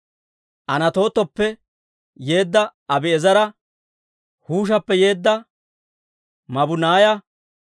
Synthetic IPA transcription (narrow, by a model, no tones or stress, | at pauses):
ʔɐnɐt̪o̞ːt̪ːɔpːɛ | je̞ːd̪ːɐɐbɪɛzɐɾɐ | huːʃ̬ɐpːɛje̞ːd̪ːɐ | mɐbʊnaːjɐ